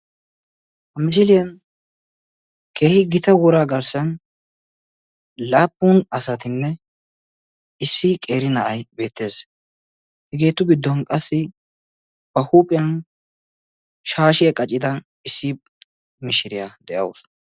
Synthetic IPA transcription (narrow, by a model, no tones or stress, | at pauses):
hɐmɪsɪlɪjɐn | ke̞ːhɪɡɪt̪ɐwɔɾaːɡɐɾsɐn | laːpʼːunɐsɐt̪ɪnːɛ | ɪsːɪkʼe̞ːɾɪnɐʔɐjbe̞ːt̪ːe̞ːs | hɛɡe̞ːt̪ːʊɡɪd̪ːɔnkʼɐsːɪ | b̥ɐhuːpʼːɪjɐn | ʃaːʃɪjɐkʼɐt͡ʃʼːɪd̪ɐ | ɪsːɪ | mɪʃɪɾɪjad̪ɛʔɐ̰wʊ̰s